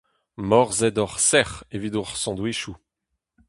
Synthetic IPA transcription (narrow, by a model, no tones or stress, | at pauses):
mɔʁzɛd̪ɔʁsɛʁevid̪uʁsɑ̃d̪wiʃu